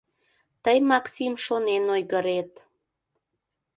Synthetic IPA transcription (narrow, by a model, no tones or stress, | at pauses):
t̪əjmɑksimʃonenojɣəɾet̪